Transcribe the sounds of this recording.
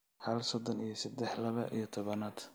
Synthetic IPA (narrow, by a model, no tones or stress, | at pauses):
hɐlsɔd̪ɔnijɞsɐd̪ɛħlɐβɐʔijɞt̪ʰɔβɐnaːd̪